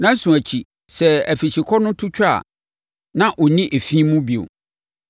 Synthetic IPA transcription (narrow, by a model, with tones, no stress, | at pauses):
nã˦n̩˦sũ˨æ˨t͡ɕʰi˨ | sɛ˨æ˨fi˨ɕi˨kʰɔ˦nʊ̃˦tʰu˦t͡ɕʰᶣa˦˨ | nã˦ʔɔ˨nĩ˦ʔe˨fĩː˦mũ˦bi˨o̰˨